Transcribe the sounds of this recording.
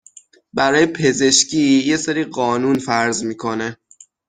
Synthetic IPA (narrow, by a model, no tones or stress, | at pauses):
bæɾɒːjepʰe̞ze̞ʃcʰiːje̞seɾiːɢɒːnuːnfæɾzmiːkʰo̞ne̞